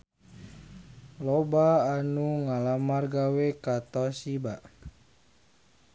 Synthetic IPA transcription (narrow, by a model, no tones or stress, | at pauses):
lɔbaːnuŋalamarɡawekat̪asiba